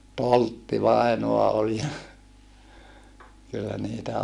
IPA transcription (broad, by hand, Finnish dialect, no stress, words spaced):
toltːiʋɑˑinoɑ ol jɑ kylːæ niːtæ